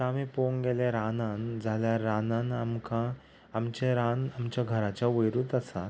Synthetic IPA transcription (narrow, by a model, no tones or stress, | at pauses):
tamẽpoŋɡeleɾanãnd͡zʱaljaːanãnamkã | amt͡ɕeɾanamt͡ɕjaɡʱəɾat͡ɕjaʋəjɾuːt̪əsa̰t̪